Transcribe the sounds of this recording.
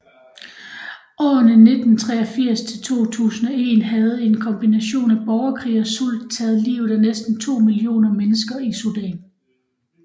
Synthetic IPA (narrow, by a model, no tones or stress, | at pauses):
ɒ̰ːnəne̝d̥n̩t͡sʰʁɛɐfiɐ̰st͡sʰe̝lt͡sʰo̝̰ːt͡sʰṵːsn̩ɒ̽e̝̰ːnɦæð̞̩ˠe̝nkʰɒ̽mb̥inæɕo̝̰ːnæb̥ɒʊɐkʰʁḭːɒ̽suld̥̚t͡sʰɛːð̞̩ˠlḭːʊð̩ˠænesd̥n̩t͡sʰo̝̰ːmilio̝̰ːnɐmenəsɡ̥ɐisud̥ɛ̰n